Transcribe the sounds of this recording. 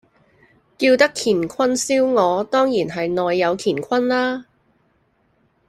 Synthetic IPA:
kiː˧wt̪ɐ˥kʰiː˨˩nkʰɐ˥nsiː˥wŋɔː˨˧t̪ɔː˥ŋjiː˨˩nɦɐ˨jnɔː˨jːɐ˨˧wkʰiː˨˩nkʷʰwɐ˥nlaː˥

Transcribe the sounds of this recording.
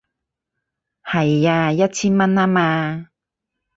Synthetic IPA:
hɐ˨˩jːaː˧jɐ˥t̚t͡sʰiː˥nmɐ˥naː˥maː˧

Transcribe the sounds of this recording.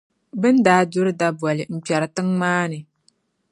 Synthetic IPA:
bɨ˦ndaː˦dʊ˦ɾɨ˦da˦bɔ˨lɨ˨m̩˨k͡pɛ˨ɾɨ˨tɨ˦ŋmaː˦nɨ˨

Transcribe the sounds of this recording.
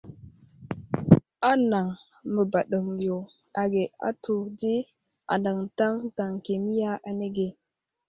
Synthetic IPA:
a˦na˨ŋ | mə˨ba˨ɗə˨ŋjo˨ | a˨ɡe˨a̰˦tu˨di˦ | a̰˨nda˨ŋta˦ŋta˨ŋke˨mi˦ja˦ʔa˨ne˦ɡe˨

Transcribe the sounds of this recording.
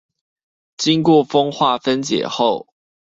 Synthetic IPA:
t͡ɕi˦ŋkwɔ˥˨fɤ˥ŋxwa˥˨fə˦nt͡ɕjɛ̰˨˩xo˥˨ʊ

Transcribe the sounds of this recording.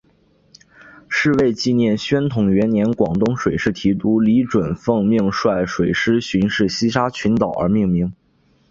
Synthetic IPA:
ʂɻ̩˥˧we˥˧ɪt͡ɕi˥˧njɛ˥˩nɕɥɛ˥nt̪ʰʊ˧˩ŋɥɛ˧˥nnjɛ˧˥nkwɑ˨˩ŋt̪ʊ˥˧ŋʂwe˨˩ɪʂɻ̩˥˩t̪ʰi˧˥t̪u˧˥li˧˥ʈ͡ʂwə˨˩nfɤ˥˧ŋmi˥˧ŋʂwa˥˩ɪʂwe˨˩ɪʂɻ̩˥ɕy˧˥nʂɻ̩˥˩ɕi˥ʂa˥t͡ɕʰy˧˥nt̪ɑ˨˩ʊə̰˞˧˥mi˥˩ŋmi˧˥ŋ

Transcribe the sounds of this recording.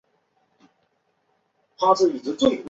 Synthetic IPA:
tʰa˥ʈ͡ʂ̩˥˩i˨˩ʈ͡ʂɻ̩˧˥t͡swe˥˩ɪ

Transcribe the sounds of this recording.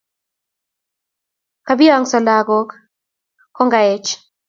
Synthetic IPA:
ka˨bi˦a˨ŋsɔ˨la˨ɡɔ˦k | kːɔ˦ŋɡa˨ɛ˨t͡ʃ

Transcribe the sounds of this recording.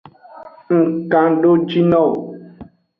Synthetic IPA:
ŋ̩˨kã˨ɖo˦d͡ʒi˦nɔ˦˨

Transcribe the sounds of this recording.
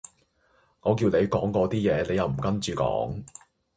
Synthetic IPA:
ŋɔː˨˧kiː˧wne˨˧jkɔː˨˥ŋkɔː˧t̪iː˥jɛː˨˧ne˨˧jɐ˨wm̩˨˩kɐ˥nt͡ʃyː˨˧kɔ̰ː˨˥ŋ

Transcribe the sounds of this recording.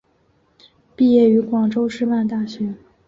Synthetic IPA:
pi˥˧jɛ˥˩y˧˥kwɑ˨˩ŋʈ͡ʂo˥ʊʂɻ̩˥˧ma˥˧nt̪a˥˩ɕɥɛ˧˥

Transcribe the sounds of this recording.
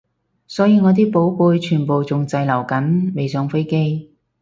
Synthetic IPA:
sɔː˨˥jiː˨˧ŋɔː˨˧t̪̬iː˥po˨˥wpuː˧jt͡ʃʰyː˨˩npo˨wt͡sʊ˨ŋt͡sɐ˧jlɐ˨˩wkɐ˨˥nme˨jsœː˨˥ŋfe˥jke˥j

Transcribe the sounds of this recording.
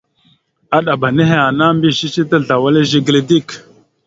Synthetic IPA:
a˦ɗa˨ba˨ne˦ɦe˨a˨na˦mbi˦˨ʃi˦t͡ʃi˦tə˦ɮa˨wa˦le˦ʒi˦ɡle˨di˦˨k

